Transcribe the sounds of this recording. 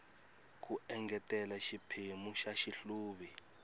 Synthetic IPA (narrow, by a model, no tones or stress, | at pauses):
k̬uɛŋɡɛtʼɛlaʃipʰimuʃaʃiɬuːɓi